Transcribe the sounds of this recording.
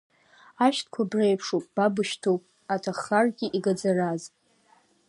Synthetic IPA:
aʃtʰkʷʰabrejpʰʂopʼb̥abɨʃtʰopʼ | atʰaχarɡʲiʔiɡad͡zaraz

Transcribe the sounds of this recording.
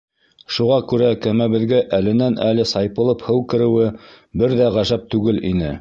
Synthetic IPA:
ʃuʁɑkʉɾækæmæβɘ̆ðɡæʔælɘ̆nænælɘsɑjpɤ̆lˠɤphɤwkɘ̆ɾɘ̆wɘ | bɘɾðæʁæʒæp̚t̪ʉɡɘlʔḭnɘ

